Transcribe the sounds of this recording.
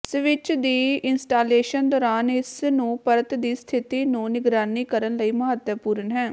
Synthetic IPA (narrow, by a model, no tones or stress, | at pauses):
sʋɪt͡ʃd̪iːɪnsʈaːleːʃənd̪ɔːɾaːnɪsnũːpəɾət̪d̪iːst̪ʰɪt̪iːnũːnɪɡɾaːniːkəɾənləiːməɦət̪ːəpuːɾənɦɛː